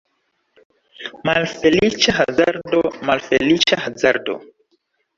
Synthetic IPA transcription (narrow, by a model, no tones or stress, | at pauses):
malfelit͡ʃaɦazaɾdomalfelit͡ʃahazaɾdo̰